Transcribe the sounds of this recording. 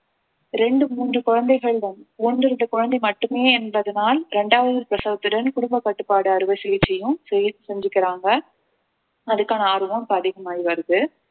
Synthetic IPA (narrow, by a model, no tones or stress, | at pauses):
ɾɛɳɖɯmuːndrɯkʊɻɐnd̪ɐɪɣɐɭdɐnɔndrɪɾɯnd̪ɐkʊɻɐnd̪ɐɪmɐʈːɯmeːɛnbɐðɯnaːlɾɛɳɖaːʋɐðɯpɾɐsɐʋɐt̪ːɯɽɐnkʊɽʊmbɐkːɐʈːɯpːaːɽɯɐɾɯʋɐɪsɛjɪt͡ʃːɛjɯ̃sɛjɪt̪ːɯsɛɲd͡ʒɪkːɪɾaːŋɡɐ | ɐðɯkːaːnɐaːɾɯʋɐ̃mpɐðeːɣɐmaːjʋɐɾɯðɯ